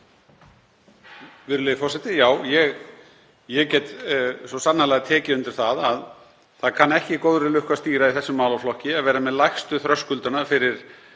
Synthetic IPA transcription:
vɪɾʏlɪðfɔrsɛt̪ɪjaːwjɛɣ | jɛɣcɛt̪sɔsanhalaɣat̪ʰɛːcɪʏnt̪ɪɾ̥θaðað | θaðkʰanːɛhcɪkowðɾɪlʏhkast̪iːɾaiθɛsːʏmaːwlawflɔhcɪavɛːɾamɛðlajxst̪ʏθɾœskʏlt̪ʏnafɪɾɪɾ̥

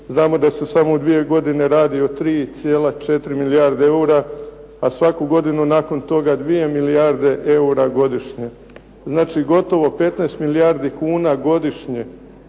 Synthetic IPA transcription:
znaːmo̞d̪ase̞samod̪ʋie̞ɡo̞d̪ine̞ɾaːd̪io̞t̪ɾiːt̪sjeːlˠat͡ʃe̞t̪ɾimiliaɾd̪eeuɾa | asʋakuɡo̞d̪inunako̞nt̪o̞ɡad̪ʋije̞milijaɾd̪e̞ʔe̞uɾaɡo̞d̪iʃɲe̞ | znaːt͡ʃiɡo̞t̪o̞ʋo̞pe̞t̪najst̪milijaɾd̪ikuːnaɡo̞d̪iʃɲe̞

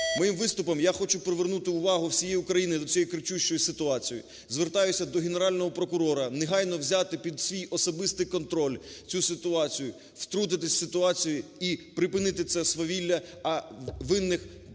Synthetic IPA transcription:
mɔjimʋɪst̪ʊpɔmjaxɔt͡ʃʊpɾeʋernut̪ɪʊʋɑɦʊwsʲijɛjʊkɾɐjinɪd̪ɔt͡sʲɔjikɾɪt͡ʃuʃt͡ʃɔjisɪt̪ʊɑt͡sʲijḭ | zʋert̪ɑjʊsʲɐd̪ɔɦeneɾɑlʲnɔɦɔpɾɔkʊɾɔɾɐneɦɑjnɔwzʲat̪ɪpʲid̪sʲʋʲijɔsɔbɪst̪ɪjkɔnt̪ɾɔlʲt͡sʲusɪt̪ʊɑt͡sʲijʊ | wt̪ɾud̪ɪt̪̬ɪsʲsɪt̪ʊɑt͡sʲijʊipɾɪpɪnɪt̪ɪt̪sɛsʋɔʋʲilʲːɐɐʋɪnːɪx

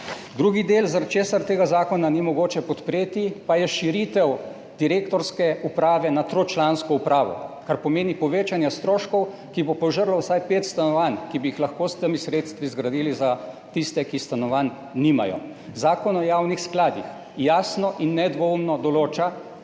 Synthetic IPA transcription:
d̪ɾuːɡid̪elzaɾt̪t͡ʃeːsaɾt̪eːɡazaːkɔnanimɔɡoːt͡ʃɛpɔt̪pɾeːt̪ipajɛʃiɾit̪ɛw | d̪̥iɾeːkt̪ɔɾskɛupɾaːʋɛnat̪ɾot͡ʃlaːnskɔupɾaːʋɔ̰kaɾpɔmeːnipɔʋeːt͡ʃanjɛst̪ɾoːʃkɔw | kibopɔʒəɾlɔwsajpeːt̪st̪anɔʋankibijixlaxkoːst̪əmisɾeːt̪st̪ʋizɡɾad̪iːliza | t̪ist̪ɛkist̪anɔʋanː | ima̰jɔ̰ | zaːkɔnɔjaːwnixsklaːd̪ix | jaːsnɔʔinːɛd̪ʋɔumnɔd̪ɔloːt͡ʃa

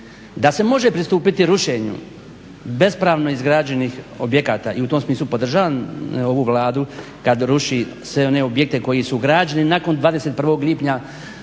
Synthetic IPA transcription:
d̪ase̞mo̞ʒepɾist̪uːpit̪iɾuʃe̞ɲṵ | be̞spɾaːʋno̞izɡɾaːd͡ʑe̞nixo̞bje̞kaːt̪aːʔiut̪omsmiːslˠupo̞d̪r̩ʒaːʋano̞ʋuʋlˠaːd̪u | kad̪ɾuʃisʋe̞o̞ne̞o̞bje̞k̚t̪e̞ko̞jisuɡɾaːd͡ʒeninako̞nd̪ʋaːd̪e̞se̞t̪̚prʋo̞ːɡliːpɲa

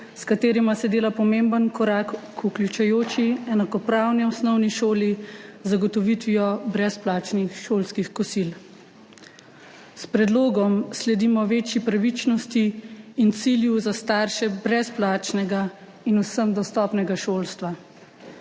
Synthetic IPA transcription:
skat̪eːɾimasɛd̪eːlapɔmembənkɔɾakkuklʲut͡ʃɛjoːt͡ʃiɛnakɔpɾawniɔsnɔwniʃoːlizaɡɔt̪ɔʋit̪ʋiɔbɾɛsplaːt͡ʃnixʃoːlskixkɔsil | spɾɛd̪loːɡɔmslɛd̪imɔʋeːt͡ʃjipɾaʋit͡ʃnɔst̪iːnt̪siljuzast̪aɾʃɛbɾɛsplaːt͡ʃnɛɡa | inusəmd̪ɔst̪ɔːpnɛɡaʃoːlst̪ʋa

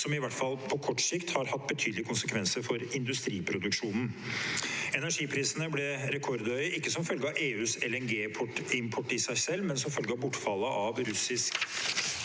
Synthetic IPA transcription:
sɔmɪʋæʈfɑlpʰɔkʰɔʈːsɪkt̪hɑɾhɑt̪ːbət̪ʰyːd̪lɪəkʊnsəkʰʋɛnsəɾfɔɾɪnd̪ʉst̪ɾiːpʰɾʊd̪ʉkʂuːnn̩ | ɛnæʂiːpʰɾiːsənəblɛɾɛkʰɔɾd̪œʏəʔɪkːəsɔmfœlɡəɑʔeːʉːsɛlɛnɡeːpʰʈɪmpʰɔʈːɪsæɪsɛlːmɛnsɔmfœlɡəɑbʊʈːfɑlːəʔɑʋɾʉsɪsk

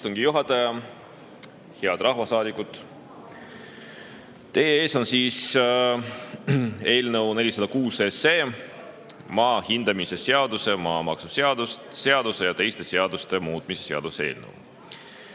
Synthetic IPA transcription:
st̪o̞ŋɡ̥ijuɦɑt̪ːˑɑjɑ | heɑd̪̥rʔɑhvɑsɑːd̪ikːˑut̪ | t̪e̞jee̞ːso̞nsiːs | e̞ːlnəwne̞lʲisɑd̪̥ɑkuːsese̞ː | mɑːhind̪̥ɑmise̞se̞ɑd̪use̞mɑːmɑksuseɑd̪̥usse̞ɑd̪̥use̞jɑt̪e̞jst̪e̞se̞ɑd̪̥ust̪e̞muːt̪̚ˑmise̞̥se̞ɑ̰d̪usee̞ːlnə̰w

